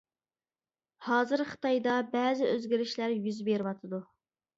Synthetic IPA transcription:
hɑːzɨɾχɨ̥t̪ɑjd̪ɑbɛːzɪʔøzɡʲɪɾɪʃlæɾjyzbeɾɪwɑt̪ʰɨd̪u

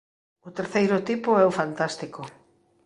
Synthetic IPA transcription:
ʊt̪eɾθejɾʊt̪ipʊɛʊfant̪ast̪iko

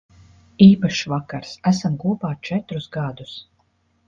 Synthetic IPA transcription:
iːpaʃivakaɾsæsamkuɔpaːt͡ʃɛt̪ɾusɡad̪us

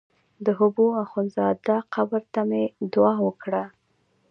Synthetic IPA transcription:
d̪əɦʊboaxonzɑd̪aqabəɾt̪amed̪ʊɑwəkɽa

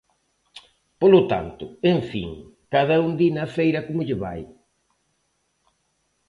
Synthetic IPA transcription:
polʊt̪a̰nt̪ʊeɱfḭŋkaðɛund̪inɐfejɾɐkomʊʎɪβa̰j

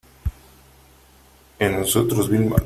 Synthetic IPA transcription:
enosot̪ɾozβilma̰

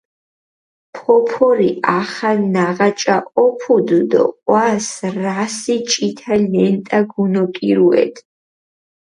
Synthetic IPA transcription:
pʰɔpʰɔɾiaχanaʁat͡ʃʼaʔɔpʰud̪ud̪ɔ̰qʼwasrasit͡ʃʼit̪ʰalɛnt̪ʼaɡunɔkʼiɾuɛ̰d̪

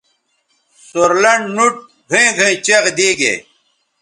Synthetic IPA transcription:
soɾlɐɳnuʈ̚ | ɡʱĩɡʱẽit͡ɕeʁd̪iːɡḛː

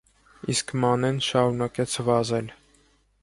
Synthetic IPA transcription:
iskmɑnɛnʃɑɾunɑkɛt͡sʰvɑzɛl

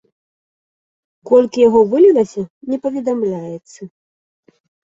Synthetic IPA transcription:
kɔlʲkʲijaɣɔvɨlʲilˠɐsʲɐnʲɛpɐvʲɛd̪amlʲajɛt̪sːɐ

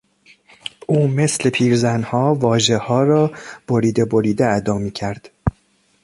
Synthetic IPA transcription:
ʔuːme̞sle̞pʰiːɾzænhɒːvɒːʒe̞hɒːɾɒːb̥oɾiːd̪eboɾiːd̪eæd̪ɒːmiːcʰæɾd̪̥

